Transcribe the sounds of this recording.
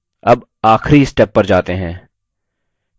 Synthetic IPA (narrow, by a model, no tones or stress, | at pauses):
ɐb | aːxɾiɪsʈɛpːɐɾd͡ʒaːt̪eɦɛ̃ː